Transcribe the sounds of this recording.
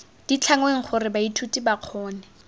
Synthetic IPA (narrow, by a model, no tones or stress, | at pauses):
d̥it͡ɬʰaŋweŋ̩χʰʊrɪbaitʰutibaq͡χʰɔːnɛ